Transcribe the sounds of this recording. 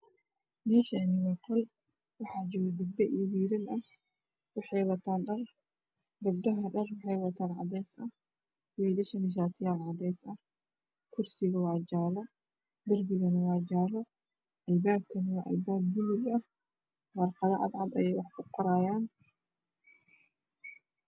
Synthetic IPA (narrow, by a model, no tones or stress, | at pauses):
mɛːʃɐnɪmɐqɔl | wɑħaːd͡ʒɔɣɐd̪ɐbɛʔiwiːɾɐnʔɐh | wɑħɛjwɐt̪ʰaːnɖɐr | dɐbdɐɦɐɖɐrwɑħɛjwɐt̪ʰaːnʕɑ̰d̪ɛːsʔɐh | wɛːlɐʃɐnɪʃ̬aːt̪ʰɪjaːʕɑd̪ɛːsɐ | kʰʊrsɪɣɐwɑʕd͡ʒaːlɐ | d̪ɐrbɪɣɐnɐwɑːd͡ʒaːlɔ | ʔɐlbaːb̚kʰɐnɪwaʔɐ̰lbaːb̚mʊlɪɡɐh | wɐrqɑðɐʕɑ̰d̪ʕɑd̪ɐjɛjwɑħkʰʊqɔɾaːjaːn